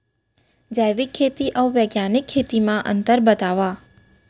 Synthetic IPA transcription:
d͡ʒəjʋikʰːet̪iʔəũʋeɡjanikʰːet̪imãʔə̰nt̪əɾbət̪aʋa

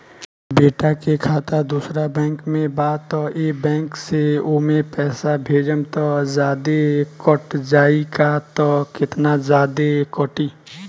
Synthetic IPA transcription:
beːʈakekʰaːt̪ad̪uːsɾabɛ̃ːŋkmẽbaːt̪ɔeːbɛ̃ːŋkseomẽpɛːsabʱeːd͡ʒəmt̪ɔzjaːd̪ekɔʈd͡ʒaːikat̪ɔkɪt̪nazaːd̪ekɔʈiː

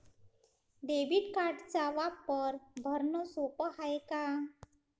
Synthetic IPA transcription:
ɖebiʈkaɾɖt͡saʋapːəɾbʱəɾnosopəhajka

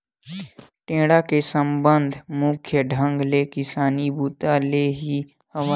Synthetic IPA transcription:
ʈẽːɽakesə̃mbənd̪ʱmʊkʰjəɖʱə̃ŋɡlekɪsaːnibuːt̪aleːɦi | həa

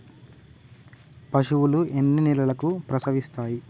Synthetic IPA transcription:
pɐʂuwuluenːinilɐlɐkupɾɐsɐʋist̪aːji

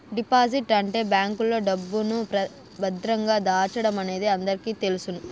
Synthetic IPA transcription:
ɖipaːziʈɐɳʈe̞ːbjaːŋkulːo̞ːɖɐbːunupɐ | bɐd̪ɾɐŋɡaːd̪aːt͡ʃɐɽɐmɐne̞ːd̪iɐnd̪ɐɾikiːt̪e̞lusunu

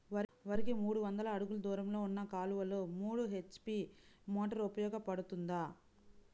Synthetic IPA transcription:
ʋɐʋɐɾɯɣemuːɽɯʋɐnd̪ɐlaɐɽɯɣɯɭd̪uːɾɐmlɐʊnːɐkaːlɯʋɐlɯmuːɽɯɦɛt͡ʃːpimoːʈːɐɾʊpɐjoːɣɐpːɐɽɯt̪ːɯnd̪aː

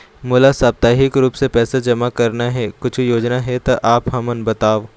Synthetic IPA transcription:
mʊːlasaːb̚t̪aːɦɪkɾuːpsepɛːsad͡ʒɐmakɐɾnaɦɛkʊt͡ʃʰjoːd͡ʒnaɦɛt̪oʔaːpɦɐmənbɐt̪aːʋ

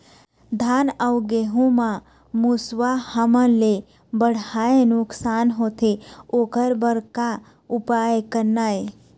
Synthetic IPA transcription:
d̪ʱanəʊɡeɦũmã | musʋahəməle | bəɽ̤aenʊksaːnɦot̪ʰeokəɾbəɾka | upajkəɾnae

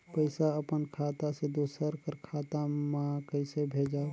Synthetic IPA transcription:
pəɪsaəpənkʰat̪ased̪osəɾkəɾkʰat̪amakəɪsebʱed͡ʒa

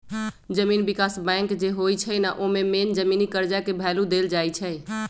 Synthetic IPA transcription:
d͡ʒəmiːnbikasbɛ̃ŋkd͡ʒeɦojt͡ʃʰɛnaʔomemend͡ʒəminikəɾd͡ʒakebʱalud̪eld͡ʒajt͡ʃʰə

